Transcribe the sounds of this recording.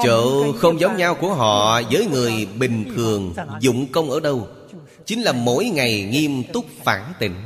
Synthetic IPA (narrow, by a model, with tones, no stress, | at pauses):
t͡ɕo̰ː˧˨xə˧wŋ͡mzə˨˦wŋ͡mɲaː˧wku˧˩əɦɔ̰˧˨zəː˨˦jŋɨ˨˩əjɓï˨˩ŋ̟t̪ʰɨ˨˩əŋzʊ̰˧˨ŋ͡mkə˧wŋ͡mʔəː˧˩ɗə˧w | t͡ɕï˨˦ŋ̟laː˨˩mo˧˥jŋa˨˩jŋi˧əmt̪ʊ˦˥k͡p̚faː˧˩nt̪ḭ̈˧˨ŋ̟